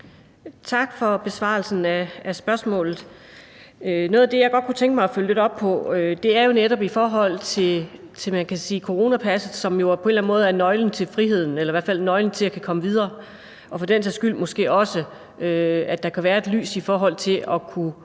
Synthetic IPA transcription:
t͡sʰɑ̈ɡ̥fɒ̽b̥e̝sʋɑ̰̈lsn̩æːsb̥ɶɐsmɔ̰̽ːlð̩ˠ | ønɔːð̞ˠɐd̥e̝jɑ̈ɪɡ̥ɒ̽d̥̚kʰut͡sʰeŋɡ̥əmɑ̈ɪɒføləle̝ɾɒ̽b̥̚pʰɒ̽ød̥e̝æɐjo̝neɾɒ̽b̥ifɒːɦɒ̽l̰t͡sʰe̝ | t͡sʰe̝mænkʰæsiːkʰo̝ʁo̝ːnæpʰæsð̩ˠsɒ̽mjo̝pʰɒe̝nlæn̩mo̽ːð̩ˠæɐnɒ̽ɪln̩t͡sʰe̝lfʁiɦe̝ð̞̰ˠn̩elɐʋæɐ̰fæl̰nɒ̽ɪln̩t͡sʰe̝lækʰækʰɒ̽məʋið̞ˠɐː | ʔɒ̽fɒ̽dent͡sʰesɡ̥yl̰mɔ̽sɡ̥e̝̰ːɒ̽sə | øæd̥ɑ̈kʰæʋæːɐe̝d̥ly̰ːsifɒːɦɒ̽l̰t͡sʰe̝ʔɒ̽kʰu

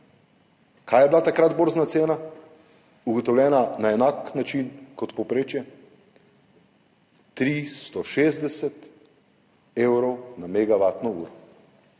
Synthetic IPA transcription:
kʰaːjɛblat̪akɾad̪boɾznat̪seːna | uɡɔt̪ɔwlʲjɛːnanaɛnaːknat͡ʃinkɔt̪pɔwpɾeːt͡ʃjɛ | t̪ɾist̪ɔʃeːzd̪ɛsɛt̪ | eːwɾɔwnamɛɡaʋaːt̪nɔuːɾɔ

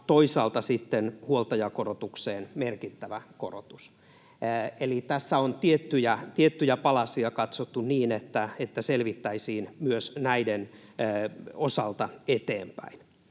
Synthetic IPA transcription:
t̪oisɑːlt̪ɑsit̪ːenhuolt̪ɑjɑkorot̪ukseːnmerkit̪ːæʋæko̰ro̰t̪u̥s | elit̪æsːæont̪iet̪ːyjæt̪iet̪ːyjæpɑlɑsiɑkɑt̪sot̪ːunniːnet̪ːæet̪ːæselʋit̪ːæisiːnmyøsnæidenː | osɑlt̪ɑet̪eːmpæ̰in

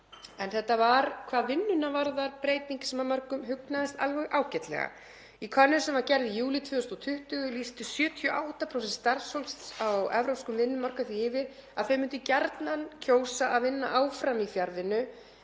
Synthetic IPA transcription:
ɛnθɛht̪ːavaɾkʰvaːðvɪnːʏnːavaɾðaɾpɾeːjt̪niŋcɪ̥sɛmamaɾkʏmɦʏknaðɛst̪alvɛɣʔaːwcɛt̪lɛ̰ɣa̰ | ikʰœnːʏ̥sɛmvaɾcɛɾðijuːlɪt̪ʰvʏːʏst̪ɔt̪ʰʏht̪ʏɣʏlist̪ʏsjœːt̪ʰjɔʔaːwht̪apʰɾows̬ɛnst̪aɾsowlst̪awɛvɾowpskʏmvɪnːʏmar̥kaθviɪːvɪɾaðθœɥmʏnt̪̬ʏcaɾt̪nancʰoːwsaʔaðvɪnːa̰ʔaːwfɾamifjaɾðɪnːʏ

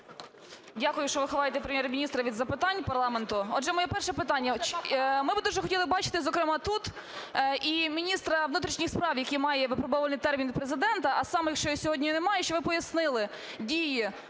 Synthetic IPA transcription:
dʲakʊjʊʃt͡ʃɔʋɪxɔʋɑjet̪ɛpɾemʲjɛɾmʲinʲist̪ɾɐʋʲid̪zɐpɪt̪ɑnʲpɐrlˠɑment̪ʊɔdʒɛmɔjɛpɛrʃɛpɪt̪ɑnʲːɐmɪbɪd̪uʒɛxɔtʲilˠɪbɑt͡ʃɪ̥t̪ɪzɔkɾɪmɑt̪ut̪ | ʔimʲinʲist̪ɾɐʋnut̪ɾʲiʃnʲixspɾɑwjɐkʲimɑjɛʋɪpɾɔbɔʋɐnijt̪ɛrmʲinpɾezɪd̪ɛnt̪ɐʔɐsɑmɛjɐkʃt͡ʃɔjɔsʲɔɦɔdʲnʲijnɛmɑjɛʃt͡ʃɔʋɪpɔjɐsnɪlˠɪ | dʲiji

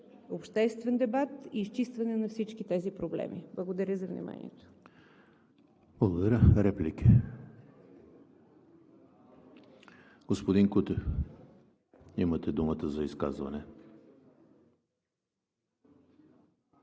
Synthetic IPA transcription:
opʃt̪ɛst̪vɛnd̪ɛbat̪iːst͡ʃist̪vɐnɛnɐfsit͡ʃk̟it̪ɛzipɾoblɛ̰miblˠəɡod̪ɐɾʲəzɐvnḭma̰nḭɛt̪o̥ | b̥lˠəɡod̪ɐɾʲəɾɛpliki | ɡ̥ospod̪iŋkut̪ɛ | imət̪ɛd̪umət̪əzɐiskazvɐ̰nɛ

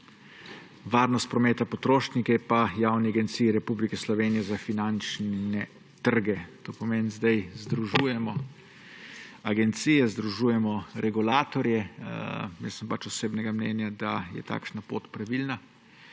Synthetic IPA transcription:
ʋaːɾnɔst̪̚pɾɔmeːt̪apɔt̪ɾoːʃnikɛpajaːwniaɡɛnt̪sijiɾɛpublikɛslɔʋeːnijɛzafinant͡ʃnɛ | t̪əɾɡɛt̪oːpɔmeːnzd̪ajzd̪ɾuʒuːjɛmɔ | aɡɛnt̪sijɛzd̪ɾuʒuːjɛmɔɾʔɛɡulaːt̪ɔɾjɛ | mesɛmpat͡ʃɔseːbnɛɡamnɛ̰ːnjad̪ajɛ̰t̪a̰ːkʃnapo̰ːt̪pɾaʋilna

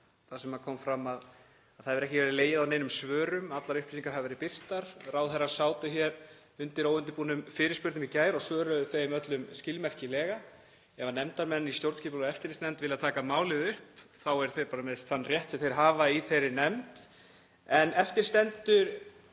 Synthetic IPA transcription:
θasɛmaðkʰɔːmfɾamað | aðθaðvɛɾɛhcɪvɛɾɪleːjɪðawneːjnʏmsvœːɾʏmat̪laɾʏhplisiŋkḁɾhavɪvɛɾɪpɪr̥t̪aɾ̥rawθerːḁsaːwt̪ʏçɛɾ | ʏnt̪ɪɾoːwʏnt̪̬ɪpuːnʏmfɪːɾɪɾ̥spʏɾt̪ʏmicaːjɾɔɣsvœːɾœθejmœt̪lʏmscɪlmɛr̥cɪlɛːɣa | ɛvanɛmt̪aɾmɛnːist̪jowɾt̪sciːpːlɛft̪ɪɾist̪ɛnt̪vɪlat̪ʰaːkamaːwlɪðʏhpθawɛɾ̥θejɾpaːɾameðst̪θanːrjɛht̪sɛmθejɾ̥ɦaːvaiθejɾɪnɛmt̪ | ɛnɛft̪ɪ̥st̪ɛnt̪ʏɾ

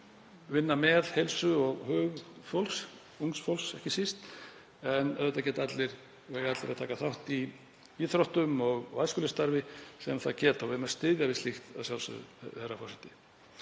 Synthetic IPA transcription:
vɪnːamɛðhejlsʏɔɣhœɣfowls | uŋksfowlsɛhcɪsist̪ | ɛnɛðɛt̪acɛːt̪aat̪lɪɾ | vɛːɣaat̪lɪɾaðt̪ʰaːkaθawht̪i | iθɾɔht̪ʏmɔɣvajskʏlɪst̪aɾvɪsɛmaθaðcɛːt̪awvɪmɛ̥st̪ɪðjavɪst̪ixt̪a̰ðsjawlsʏ̰θɛrːafɔrsɛht̪ɪ̥

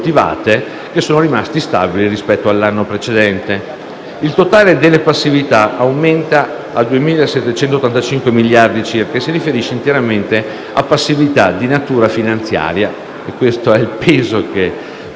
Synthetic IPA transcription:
t̪iva̰ːt̪e | k̟esːoːnoɾimast̪ist̪a̰biliɾispɛt̪ːoalːanːopɾet͡ʃed̪ɛnt̪e | ilt̪ot̪aːled̪elːepasːivit̪aʔawment̪aː | d̪uemiːlaesːɛt̪ːet͡ʃɛnt̪ot̪ːant̪at͡ʃiŋkwemilːjard̪it͡ʃirkaesiɾifeɾiʃːeint̪eɾament̪e | a̰pːasːivit̪ad̪inat̪uːɾafinant̪sja̰ːɾja | ekːwest̪oɛilpeːzoke

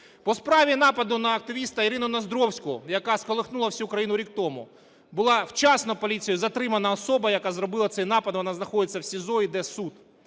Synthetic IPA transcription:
pɔspɾɑʋʲinɑpɐd̪ʊnɐːk̚t̪ɪʋʲist̪ɐiɾɪnʊnɐzd̪ɾɔwsʲkʊjɐkɑskɔlˠɪxnulˠɐwsʲukɾɐjinʊɾʲikt̪ɔmʊ̰ | bʊlˠɑwt͡ʃɑsnɔpɔlʲit͡sʲijʊzɐt̪ɾɪmɐnɐɔsɔbɐjɐkazrɔbɪlˠɐt̪sɛjnɑpɐd̪ʋɔnɑznɐxɔd̪ɪt͡sʲːɐwsʲizɔid̪ɛsud̪

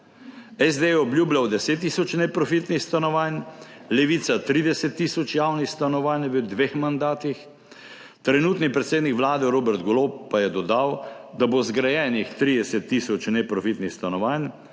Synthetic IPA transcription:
ɛzd̪ejɛɔbljuːblʲjawd̪ɛseːt̪̬ːisɔt͡ʃnɛpɾɔfit̪nixst̪anɔʋanʲlɛʋiːt̪sat̪ɾiːd̪ɛsɛt̪ːiːsɔt͡ʃjawnixst̪anɔʋanʋəd̪ʋeːxmand̪aːt̪ix | t̪ɾɛnuːt̪nipɾɛt̪seːd̪nikʋlaːd̪ɛɾoːbɛɾt̪ɡɔlop̚ːajɛd̪ɔd̪aw | d̪abozɡɾajɛːnixt̪ɾiːd̪ɛsɛt̪ːiːsɔt͡ʃnɛpɾɔfit̪nixst̪anɔʋaːn

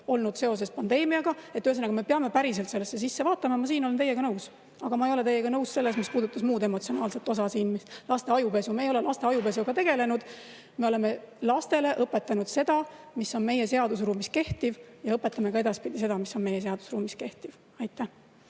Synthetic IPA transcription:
o̞lnud̪̥se̞o̞s̬e̞spɑnd̪̥e̞ːmiɑɡ̥ɑet̪ːyes̬enɑɡ̥ɑme̞peɑmepæɾis̬e̞lt̪se̞lːesːe̞sisːevɑːt̪ːˑɑmɑmɑsiːno̞lent̪e̞je̞ɡ̥ɑnɤws | ɑɡ̥ɑmɑejo̞leejːe̞ɡ̥ɑnɤwsse̞lːesmispuːd̪̥ut̪ːˑɑsmuːd̪emo̞t̪sio̞nɑːlse̞lt̪ːˑo̞sɑsiːnmislɑst̪e̞ɑjupe̞sumeːjo̞lelɑst̪e̞ɑjupe̞s̬uɡ̥ɑt̪e̞ɡ̥e̞le̞nud̪̥ | me̞o̞le̞me̞lɑst̪e̞le̞ʔɤpːˑe̞t̪ːˑɑnud̪̥se̞d̪̥ɑ | misːo̞nme̞je̞se̞ɑd̪usruːmiske̞ht̪ivjɑɤpːe̞t̪ːˑɑmekɑe̞d̪ɑspid̪̥ise̞d̪ɑmisːo̞nme̞jes̬e̞ɑd̪̥u̥sruːmiske̞ht̪iv̥ | ɑjt̪ːˑæh

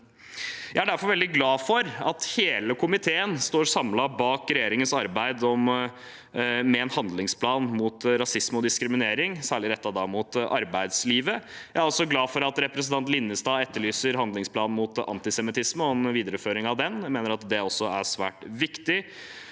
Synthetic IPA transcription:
jæɪæɖæɾfɔɾʋɛld̪ɪɡlɑːfɔɾɑt̪heːləkʰʊmɪt̪ʰeːənst̪oːɾsɑmlɑbɑːkɾɛjeːɾɪŋənsɑɾbæɪd̪ɔm | mɛɛnhɑnd̪lɪŋspʰlɑːnmuːt̪ɾɑsɪsmɔd̪ɪskɾɪmɪneːɾɪŋsæːɭɪɾɛt̪ːɑd̪ɑmut̪ʔɑ̰ɾbæɪd̪sliːʋəjæɪæɾɔlsɔɡlɑːfɔɾɑt̪ɾɛpɾɛsn̩t̪ɑnt̪lɪnːəst̪ɑːɛt̪ːəɭyːsəɾɦɑnd̪lɪŋspʰlɑːnmuːt̪ɑ̰nt̪ɪsɛmɪt̪ʰɪsməɔɛnʋiːd̪əɾəføːɾɪŋɑʋd̪ɛnjæmeːnəɾɑt̪d̪ɛɔsːɔæʂʋæ̰ːʈʋɪkt̪ɪ

